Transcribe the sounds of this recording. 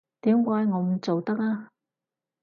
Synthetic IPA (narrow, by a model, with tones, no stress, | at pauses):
t̪iː˨˥mkʷaː˨˧˥jŋɔː˨˧˥m̩˨˦t͡so˨wt̪ɐ˥k̚aː˥